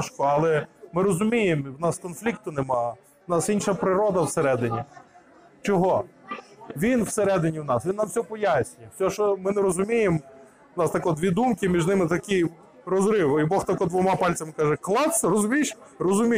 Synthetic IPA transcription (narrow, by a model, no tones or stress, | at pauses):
ʃkɔɐlˠɛmɪɾɔzʊmʲijemwnɑskɔnflʲik̚t̪ʊnemɑ | nɑsinʃɐpɾɪɾɔd̪ɐwseɾɛd̪ɪnʲi | t͡ʃɔɦɔ | ʋʲinwseɾɛd̪ɪnʲiwnɑsʋʲinːɐmsʲɔpɔjasʲnʲijɛsʲɔʃɔmɪnɛɾɔzʊmʲijem | wnɑst̪ɐkɔd̪ʋʲid̪umkɪmʲiʒnɪmɪt̪ɐkɪj | ɾɔzɾɪwibɔxt̪ɐkɔd̪ʋɔmɑpɑlʲt͡sʲɐmɪkɑʒɛklˠɑwsʲɐɾɔzʊmʲiʃrɔzʊmʲi